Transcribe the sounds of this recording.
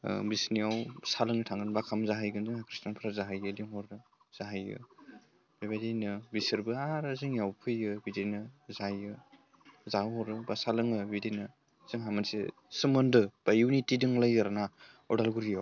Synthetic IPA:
bisniawsalɯŋɯtʰaŋɯnbakʰamzaɦajɡɯnzɯŋhakʰɾistanpʰɾazaɦajɯdiŋɦɔɾɯ | z̥aɦajɯ̰ | b̥ebajdejnɯbisɯɾbɯaɾɯzɯŋjawpʰɯjɯbidenɯzajɯ | zahɔɾɯbasalɯŋɯbidenɯ | z̥ɯŋɦamansḛ | sɯmɯndɯb̥ajuwnitidɯŋlajaɾana | ɔ̰dalɡuɾijaw

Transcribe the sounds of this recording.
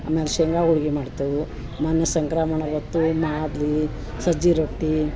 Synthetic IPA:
a̰ːmeːleʃeŋɡaːuɭɡimaːɖt̪u | maːnjɐsɐŋkɾaːmɐɳɐbɐt̪ːumaːd̪li | sɐd͡ʒiɾoʈːi

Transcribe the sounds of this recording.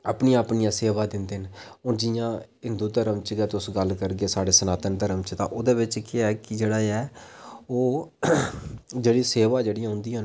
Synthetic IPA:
aːpniːjãːəpnijãːseːʋaːd̪ɪnd̪eːn | oːd͡ʒɪjãːɦɪ̃nd̪uːd̪əɾəmt͡ʃɡɛːt̪ʊsɡəlkəɾɡeːsaːɽeːsənaːt̪ənd̪aɾəmt͡ʃt̪ã̰ːʔoːd̪eːbɪt͡ʃkɪɛːkɪd͡ʒeːɽaːɛːoː | d͡ʒeːɽiːseːʋaːd͡ʒeːɽiːaːɦʊ̃ːnd̪iːən

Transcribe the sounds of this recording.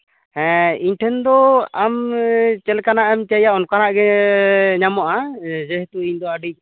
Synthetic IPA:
ɛ̃iɲʈʰɛnd̪ɔamt͡ʃɛlkanaʔɛmt͡ʃajaʔɔnkanaʔɡɛ | ɲamɔʔad͡ʒɛɦɛt̪uiɲd̪ɔaɖic̚

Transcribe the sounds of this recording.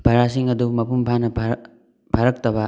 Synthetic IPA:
bʱɐɾasiŋɐdumɐpumpʰanɐ | bʰʱaɾɐk̚tɐbɐ

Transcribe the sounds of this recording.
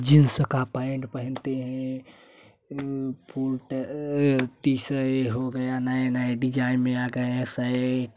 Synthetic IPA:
d͡ʒinsəkapaeɳʈpəɦənt̪eɦɛ̃ | pʰulʈ | t̪isəeɦoɡəjanaenaeɖid͡ʒajnmeaɡə̃saɪʈ

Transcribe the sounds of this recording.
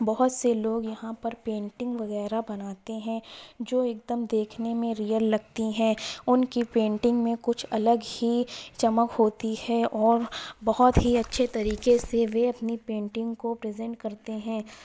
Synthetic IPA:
bɐɦʊt̪seloːɡjɐɦãpɐɾpẽːɳʈɪ̃ŋɡʋɐɣɛːɾabɐnaːt̪eɦɛ̃d͡ʒoːeːk̚d̪əmd̪eːkʰnemẽɾijəlːɐɡt̪iɦɛ̃ːʊnkipẽːɳʈɪ̃ŋɡmẽkʊt͡ʃʰɐləɡhit͡ʃɐməkɦoːt̪ihɛɔːɾbɐɦʊt̪ɦiɐtːʃʰet̪ɐɾiːkeseʋeɐpnipẽːɳʈɪ̃ŋɡkopɾɪːzɛ̃ɳʈ̚kɐɾt̪eɦɛ̃ː

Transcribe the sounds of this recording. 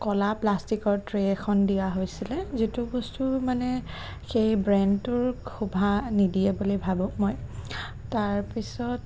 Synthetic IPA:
kɔlaplastikɔɹtɹeɛkʰɔndijaɦojsilɛzitubɔstumanɛ | xejbɹɛndtʊɹkʰubʱanidiɛbulibʱabʊ̃moj | taɹpisɔt

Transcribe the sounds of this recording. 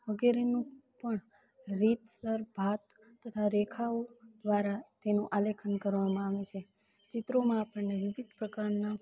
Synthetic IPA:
ʋəɡeɾenũpəɳ | ɾit̪səɾbʱat̪ː | ət̪ʰaɾekʰaod̪ʋaɾat̪enũʔalekʰənkəɾʋamãaʋet͡ʃʰe | t͡ʃɪt̪ɾomãapəɳneʋɪʋid̪ʱpɾəkaɾna

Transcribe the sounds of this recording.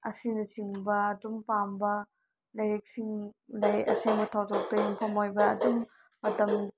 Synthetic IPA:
ɐsinɐsiŋbɐɐdumpambɐ | lɐjɾek̚siŋlɐjɐ̰seŋbɐtʰawzok̚tɐjiŋpʰɐmojbɐːdumː | ɐtɐm

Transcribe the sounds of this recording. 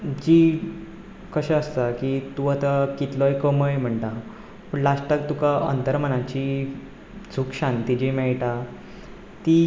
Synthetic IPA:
d͡ʑi | kəɕaəst̪akit̪uat̪akit̪lɔekəməjm̤əɳt̪a | pəɳlaʂʈak̚t̪ukaʔə̰nt̪əɾmənãt͡ɕi | t͡sʰukɕãnt̪id͡ʑimɛɭʈa | t̪i

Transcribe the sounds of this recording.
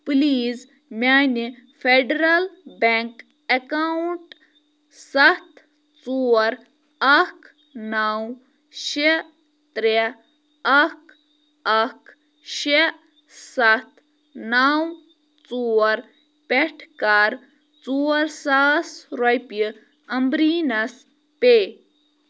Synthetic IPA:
pliːz | mʲanifeɖeɾɐlbeŋk | ekaɳʈ | sɐt̪ʰ | t͡suɐɾ | ɐk | naw | ʃe | t̪ɾe | ɐk | ɐk | ʃe | sɐt̪ʰ | naːw | t͡suːɐɾ | peʈʰkaːɾ | t͡suɐɾsaːsɾɐjpjɨ | ɐmbɾiːnɐs | peː

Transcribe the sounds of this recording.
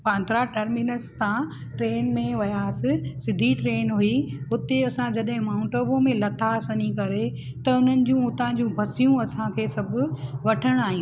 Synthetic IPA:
pãnd̪ɾaʈɐɾmɪnəst̪ã | ʈɾeːnmẽʋɐjaːsɪsɪd̪ʱiʈɾeːnɦʊiɦʊt̪eɐsãd͡ʑɐɗɦɪ̃maːʊ̃ɳʈobõmẽlɐt̪ʰasənikɐɾe | t̪ɐʊn̤ənɪ̆d͡ʑũʊt̪ãːd͡ʑũbʱɐsijũɐsãkʰeːsɐbʱʊ̆ʋɐʈʰəɽ̃aːɦĩ

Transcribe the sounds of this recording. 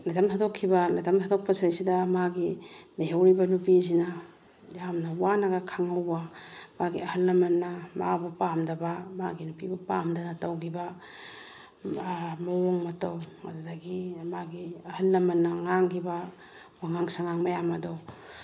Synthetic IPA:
lajtʰɐmtʰadokʰːibɐlajtɐmtʰadok̚pɐsajsidɐmaɡilaɦawɾibɐnupizinɐ | jamnɐwanaɡɐkʰaŋɐwbɐmaɡiɐhɐlːɐmɐnːɐma̰bupamdɐbɐma̰ɡinupibupamdɐnɐtɐwkʰibɐ | mɐwoŋmɐtɐwɐ̰dudɐɡimaɡiɐhɐlːɐmɐnːɐŋaŋkʰibɐ | waŋaŋsaŋaŋmɐjamɐdɔ

